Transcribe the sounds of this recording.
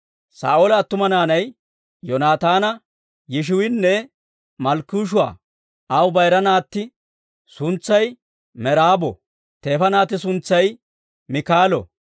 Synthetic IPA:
sa̰ːʔoːlɐːt̪ːʊmɐnaːnɐj | jɔnaːt̪aːnɐ | jɪʃ̬ʊwɪnːɛ | mɐlkːuːʃ̬ʊwa̰ː | ʔɐwbɐjɾɐnaːt̪ːɪ | sʊnt͡sːɐj | mɛɾaːbɔ̰ | t̪e̞ːfɐnaːt̪ːɪsʊnt͡sːɐj | mɪkaːlɔ̰

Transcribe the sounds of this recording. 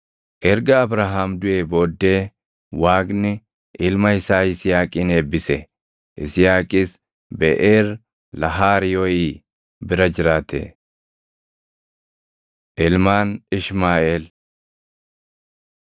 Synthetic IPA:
ʔɛɾɡɐːbɾaːɦaːmd̪ʊeːbo̞ːd̪ːe̞ː | waːɡnɪ | ʔɪlmɐɪsaːɪsɪjaːkʼiːneːbːɪsɛ | ʔɪ̰sɪjaːkʼɪːs | bɛ̰ʔeːr | lɐɦaːɾɪjoːjiː | bɪɾɐd͡ʒɪɾaːt̪ʰḛː | ʔɪlmaːnɪʃmaːeːl

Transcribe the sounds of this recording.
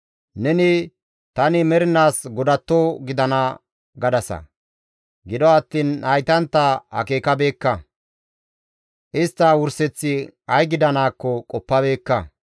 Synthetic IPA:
nɛnɪ | t̪ɐnɪmɛɾɪnaːsɡɔd̪ɐt̪ːoɡɪd̪ɐnɐ | ɡɐd̪ɐsɐ̰ | ɡɪd̪ɔɐt̪ːiːnɐjt̪ɐnt̪ːɐhɐ̰ke̞ːkɐbe̞ːkːɐ | ʔɪst̪ːɐwʊɾsɛt͡sːɪɐjɡɪd̪ɐnaːkːɔkʼɔpːɐbe̞ːkːɐ

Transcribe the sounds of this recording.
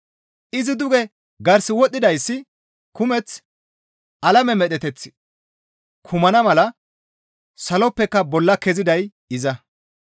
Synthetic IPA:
ʔɪzɪd̪ʊɡɛ | ɡɐɾsɪwɔt̪ʼːɪd̪ɐjsːɪ | kʊmɛt͡s | ʔɐlɐmɛmɛt̪ɛt̪ɛt͡sːɪ̥ | kʰʊmɐnɐmɐlɐ | sɐlɔpːɛkːɐbɔlːɐkɛzɪd̪ɐj | ɪzɐ

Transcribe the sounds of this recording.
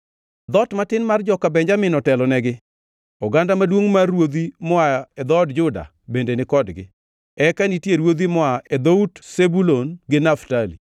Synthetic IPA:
d̪ɔtmatɪnmard͡ʒɔkabɛɲd͡ʒamɪnɔtɛlɔnɛɡɪ | ɔɡandamadwoŋmarwod̪imɔaɛd̪ɔdd͡ʒʊda̰ | bendenɪkɔdɡɪ̰ | ɛkanitjeɾwod̪imɔaed̪outsebulonɡɪnaftalḭ

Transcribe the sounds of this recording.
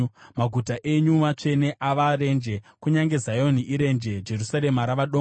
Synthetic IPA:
maɡʱutaʔe̞ɲumat͡ʂe̞ne̞ʔaʋaɾe̞nd͡ʒe̞kuɲaŋɡe̞zajo̞niʔiɾe̞nd͡ʒe̞d͡ʒe̞rusaɾe̞maɾaʋaɗo

